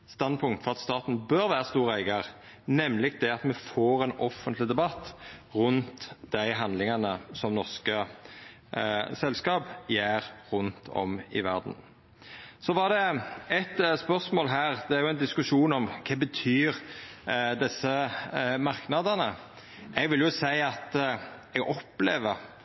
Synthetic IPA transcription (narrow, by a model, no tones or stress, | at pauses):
st̪ɑnd̪pʰʊŋt̪fɔʁɑt̪st̪ɑːt̪n̩bøɾʋæːɾəst̪uːɾæɪɡɑʁ | nɛmlɪɡd̪ɛɑt̪mɛfoːɾɛnɔfːənt̪lɪd̪ɛbɑt̪ːʁʉnt̪d̪̥æɪɦɑnd̪lɪŋɑnəsɔmnɔʁskə | sɛlskɑːpjæːʁʁʉnt̪ʰɔ̰mɪ̰ʋæʁd̪n̩ | sɔʋɑʁd̪ɛɛt̪spœʁsmoːlɦæːʁd̪ɛæʁjʊæɪnd̪ɪskʉʂuːnɔmkʰɑːbət̪ʰyːɾ | d̪ɛsːəmɑʁknɑd̪ənə | ʔɛɡʋɪljʊsæɪɑt̪ | ɛɡɔpleːʋəʁ